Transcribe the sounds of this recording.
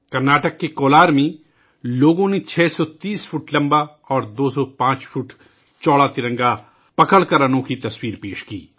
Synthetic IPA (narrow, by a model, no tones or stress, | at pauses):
kɐɾnaːʈəkːekoːlaːɾmẽ | loːɡõnet͡ʃʰɛːsɔt̪iːspʰuːʈlɐ̃mba | ɔːɾd̪oːsɔpãːt͡ʃpʰuːʈ | t͡ʃɔːɽat̪ɪɾɐ̃ŋɡa | pɐkəɽkɐɾənõkit̪ɐswiːɾpeːʃkiː